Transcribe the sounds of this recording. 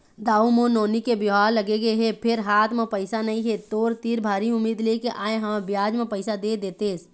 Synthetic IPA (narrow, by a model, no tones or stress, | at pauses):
d̪aːumõnoːnikebjɦaːlːɐɡeɡəeɦɛpʰɪɾɦaːt̪ʰmẽpəɪsanɐɦĩɦet̪oːɾt̪iːɾbʱaːɾiʊmːiːd̪lekeʔaːeɦɐabjaːd͡ʒmẽpəɪsad̪ed̪eːt̪eːs